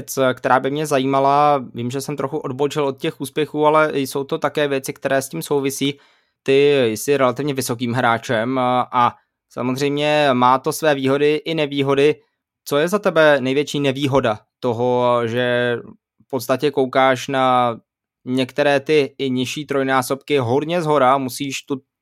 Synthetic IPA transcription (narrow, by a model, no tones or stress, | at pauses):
t͡skt̪ɛɾaːbɪmɲɛzajiːmalaviːmʒɛsɛmt̪ɾoxuʔo̞dbot͡ʃɪlo̞t̪̚cɛxuːspjɛxuːalɛso̞wt̪o̞t̪akɛːvjɛt̪t͡sɪkt̪ɛɾɛːsciːmso̞wvɪsiː | t̪ɪjɪsɪɾɛlat̪ɪvɲɛvɪso̞kiːmɦɾaːt͡ʃɛmʔa | sa̰mozr̝ɛjmɲɛmaːt̪o̞svɛːviːɦo̞dɪʔɪnɛviːɦo̞dɪ | t͡so̞jɛzat̪ɛbɛnɛjvjɛt͡ʃiːnɛviːɦo̞dat̪o̞ɦoʒɛ | fpot̪st̪acɛkowkaːʃna | ɲɛkt̪ɛɾɛːt̪ɪɲɪʃiːt̪ɾo̞jnaːso̞pkɪɦo̞dɲɛzɦo̞ɾamusiːʃt̪u